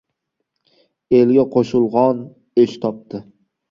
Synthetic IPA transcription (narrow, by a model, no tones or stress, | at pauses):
elɡʲaqʰoʃʊlˠʁɒn | et͡ʃt̪ʰɒp̚t̪ʰɪ